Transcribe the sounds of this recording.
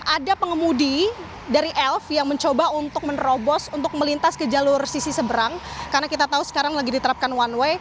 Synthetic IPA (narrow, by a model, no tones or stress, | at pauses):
ʔadapəŋəmudi | daɾiʔɛlfjaŋməɲt͡ʃobaunt̪ʊk̚mənrobɔsunt̪ʊk̚məlint̪askəd͡ʒalʊrsisisəbəɾaŋkarnakit̪at̪ausə̥kaɾaŋlaɡidit̪əɾap̚kanwanwe